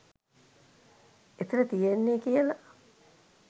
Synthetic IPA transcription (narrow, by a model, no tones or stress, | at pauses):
et̪ilət̪ijenːeːkijəlɐ